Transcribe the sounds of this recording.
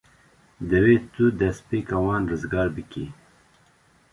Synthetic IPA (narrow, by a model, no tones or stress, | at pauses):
d̪ɐweːt̪ud̪ɐspikɐwɑːnɾəzɡɑːɾbikḭ